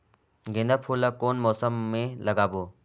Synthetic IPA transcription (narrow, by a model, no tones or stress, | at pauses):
ɡẽnd̪əpʰuːlakoːnmɔːsəmːẽləɡaːboː